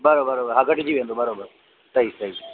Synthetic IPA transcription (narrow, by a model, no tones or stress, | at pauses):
bəɾobəɾoːbəɾɦaɡəʈd͡ʑiːʋẽːnd̪oːbəɾoːbəɾ | t̪ɐisɐi